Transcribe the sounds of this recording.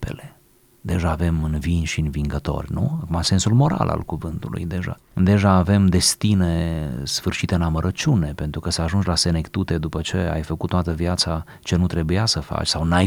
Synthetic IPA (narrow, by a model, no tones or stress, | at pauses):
pḛle | d̪e̞ʒaːve̞mɨnvinʲʃiɨnviŋɡət̪o̞̰rʲnṵakumase̞nsulmo̞ɾa̰lʔa̰lkuvɨnt̪ulṵjd̪e̞ʒa̰ | d̪e̞ʒaːve̞md̪e̞st̪ine̞sfɨrʃit̪eɨnaməɾʔət͡ʃʲune̞pe̞nt̪ɾukəsaaʒund͡ʒlase̞ne̞kt̪ut̪e̞d̪upət͡ʃe̞a̰jfəku̥t̪t̪ːoat̪əvjat̪sa | t͡ʃe̞nut̪ɾe̞bujasəfa̰t͡ʃʲsawnaj